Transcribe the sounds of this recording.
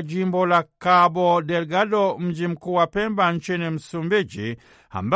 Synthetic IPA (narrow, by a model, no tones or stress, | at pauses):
d͡ʒimbɔlakabɔdɛlɡadɔm̩d͡ʒim̩kuwapɛmbaɲ̩t͡ʃinim̩sumbid͡ʒi | a̰mba